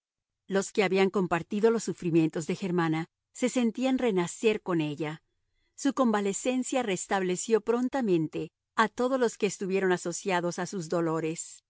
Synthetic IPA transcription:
lo̞ske̞aβiaŋko̞mpaɾt̪iðo̞lo̞sːufɾimje̞nt̪o̞zðe̞xe̞ɾmana | se̞se̞nt̪ianrenase̞ɾko̞ne̞ʝa | suko̞mbale̞se̞nsjare̞st̪aβle̞sjo̞pɾo̞nt̪amẽ̞nt̪e̞ | at̪o̞ð̞o̞zlo̞ske̞ːst̪uβje̞ɾo̞naso̞sjaðo̞sasuzðo̞lo̞ɾe̞s

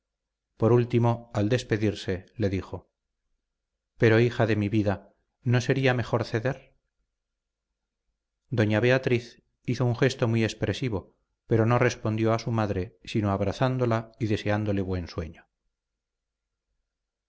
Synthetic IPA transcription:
po̞ɾult̪imo̞ald̪e̞spe̞ðiɾse̞le̞ðixo̞ | pe̞ɾo̞ixaðe̞miβiða | no̞se̞ɾiame̞χo̞ɾθe̞ðeɾ | d̪o̞ɲaβe̞at̪ɾiθ | iθouŋxe̞st̪omwie̞spɾe̞siβ̞o̞ | pe̞ɾo̞no̞re̞spo̞nd̪jo̞asumaðɾe̞sino̞aβɾaθand̪o̞laiðe̞se̞and̪o̞le̞βwe̞nswe̞ɲo

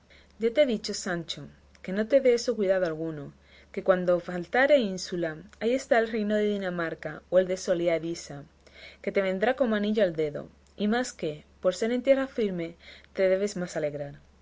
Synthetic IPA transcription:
ɟ͡ʝat̪eðit͡ʃo̞sant͡ʃo | ke̞no̞t̪e̞ðe̞esokwiðaðoalɣuno | ke̞kwand̪o̞falt̪aɾeinsulaaie̞st̪aelre̞jno̞ðe̞ðinamaɾkaoe̞ld̪e̞so̞leaðisa | ke̞t̪e̞βe̞nd̪ɾako̞maniʎoald̪e̞ðo̞̰ | imaske̞po̞ɾse̞ɾe̞nt̪je̞rafiɾme̞t̪e̞ðe̞β̞e̞zmasale̞ɣɾaɾ

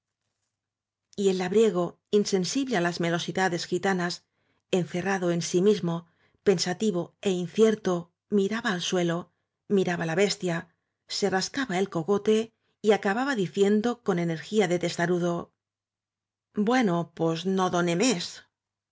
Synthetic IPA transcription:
ie̞lːaβɾje̞ɣ̞o̞ | inse̞nsiβle̞alazme̞lo̞siðaðe̞sxit̪anas | e̞nθe̞raðo̞e̞nsimizmo̞ | pe̞nsat̪iβ̞o̞e̞inθje̞ɾt̪o̞ | miɾaβaːlswe̞lo | miɾaβalaβe̞st̪ja | se̞raskaβae̞lko̞ɣo̞t̪e̞ | iakaβaβaðiθje̞nd̪o̞ko̞ne̞ne̞ɾxiaðe̞t̪e̞st̪aɾuðo̞ | bwe̞no̞pozno̞ðo̞ne̞mes

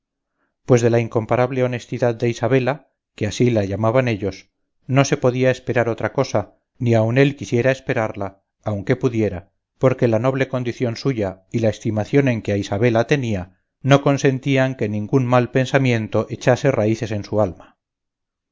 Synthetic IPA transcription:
pwe̞zðe̞laiŋko̞mpaɾaβle̞o̞ne̞st̪iðaðd̪e̞isaβe̞la | ke̞asilaʝamaβane̞ʎo̞s | no̞se̞poðiae̞spe̞ɾaɾo̞t̪ɾako̞sa | niawne̞lkisje̞ɾae̞spe̞ɾaɾlaː | wŋke̞puðje̞ɾa | po̞ɾke̞lano̞β̞le̞ko̞nd̪iθjo̞nsuʝailae̞st̪imaθjo̞ne̞ŋkeaisaβ̞e̞lat̪e̞nia | no̞ko̞nse̞nt̪iaŋke̞nĩŋɡunmalpe̞nsamjẽ̞nt̪o̞ʔe̞t͡ʃase̞raiθe̞se̞nsualma

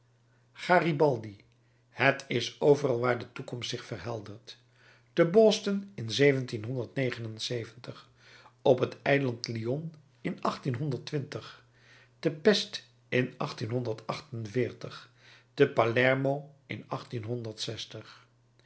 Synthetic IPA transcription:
χaːribɑlˠdi | hətʰɪsowvərɑlˠʋaːɹdətukɔmstsɪχfərɦɛlˠdəɹt | d̥əbɔstənɪnzejvəntinɦɔndəɹtnejχənənsejvəntəχ | ɔpətɛjlɑntliɔn | ɪnɑχtinɦɔndəɹtʋɪntəχ | d̥əpɛst | ɪnʔɑχtinɦɔndəɹtɑχtənvɪːɹtəχ | d̥əpalɛɹmoʔɪ̰nɑχtinɦɔndəɹtsɛstəχ

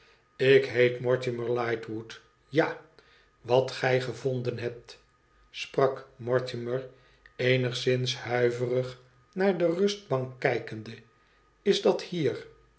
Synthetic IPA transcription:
ɪkɦejtmɔɹtɪməɹlɑjtwut | ja | ʋɑt̪χɛjχəvond̪ənɦɛp̚t̪ | sprɑkmɔɹtɪməɹ | ejnəχsɪnshœɥvərəχ | naːɹdərɵsd̚bɑŋkːɛjkəndə | ɪzdɑthiːr

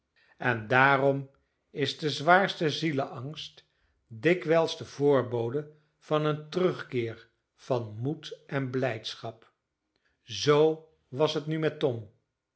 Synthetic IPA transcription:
ɛndaːrɔm | ɪzdəzʋaːɹstəziləʔɑŋst | dɪkʋɛlˠsdəvʊːɹbowdə | v̥ɑnəntərɵχkɪːɹ | v̥ɑnmutʔɛnblɛjtsχɑp | zow | ʋɑsɦətnymɛtɔm

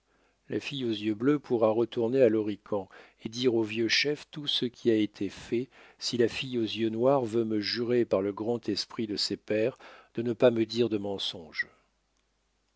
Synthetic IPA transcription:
la̰fijozjøbløpʰuʁaʁət̪uʁnealɔʁikʰɑ̃ | ed̪iʁovjøʃɛft̪usəkʲʰiaet̪ʰefɛsilafijozjønwaʁvøməʒyʁepaʁləɡʁɑ̃t̪ʰɛspχid̪əsɛpɛʁd̪̥ənəpaməd̪iʁd̪əmɑ̃sɔ̃ʒ

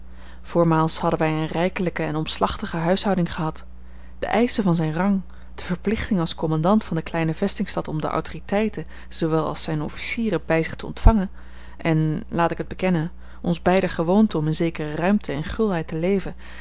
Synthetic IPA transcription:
v̥oːɹmaːlˠshɑdənʋɛjənrɛjkələkəɛnɔmslɑχtəχəɦœɥsɦɑwdɪŋχəɦɑt | d̥ə̰ʔɛjsəvɑnzɛjnrɑŋ | d̥əv̥əɹplɪχtɪŋɑlˠskɔmɑndɑntfɑndəklɛjnəvɛstɪŋstɑtɔmdə̰ʔɔ̰wtoritɛjtə | z̥oʋɛlˠɑ̰lˠsɛjnɔ̰fi̥siːrəbɛjzɪχtəɔ̰ntfɑŋən | ʔɛnlaːtɪkəd̚bəkɛnən | ɔnzbɛjdəχəʋowntəɔmɪnzejkərərœɥmtʰəɛnχʏlˠɦɛjtəlejvə

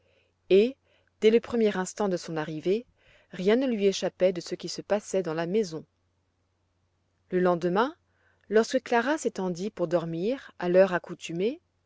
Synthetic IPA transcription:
e | d̪̥ɛləpχəmjɛʁɛ̃st̪ɑ̃d̪əsɔ̃naʁive | ʁjɛ̃nəlɥieʃapɛd̪əsəkʲisəpasɛd̪ɑ̃lamɛzɔ̃ | ləlɑ̃d̪əmɛ̃ | lɔʁskəklaʁaset̪ɑ̃d̪ipuʁd̪ɔʁmiʁalœʁakut̪yme

